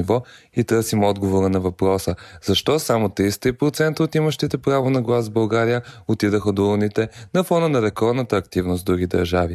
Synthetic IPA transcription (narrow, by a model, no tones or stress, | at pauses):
ivɔit̪ɤɾsimɔd̪ɡovoɾənɐvɐpɾɔsəz̥ɐʃt̪ɔsamot̪ɾist̪ipɾot̪sɛnt̪əot̪iməʃt̪it̪ɛpɾavonɐɡlˠazvbɐlˠɡaɾijəot̪id̪əxəd̪ounit̪ɛnɐfɔnənɐɾɛkɔɾd̪nət̪əːkt̪ivnosd̪ɾuɡid̪ɐɾʒavi